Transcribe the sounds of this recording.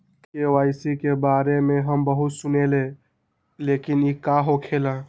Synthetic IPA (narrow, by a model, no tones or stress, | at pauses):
kewaɪsikebaɾemeɦəmbəɦut̪sunele | lekinikaɦokʰelə̃